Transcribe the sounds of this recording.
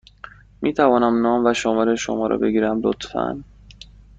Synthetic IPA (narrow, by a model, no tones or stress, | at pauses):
miːt̪ʰævɒːnæmnɒːmvæʃomɒːɾeʃo̰mɒːɾʔɒ̰be̞ɡiːɾæmlot̪fæ̰n